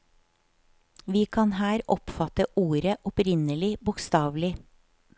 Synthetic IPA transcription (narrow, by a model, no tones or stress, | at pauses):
ʋiːkʰɑnhæːɾɔpfɑt̪əʔuːɾəʔɔpɾɪnəlɪbʊkst̪ɑːʋlɪ